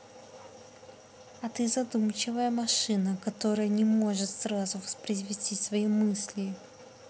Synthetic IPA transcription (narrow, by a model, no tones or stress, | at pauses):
ɐt̪ɨzɐd̪umt͡ɕɪvəjəmɐʂɨnəkɐt̪o̞ɾəjənʲɪmo̞ʐɨt̪srazʊvəspɾʲɪzʲvʲɪsʲtʲisvɐimɨsʲlʲɪ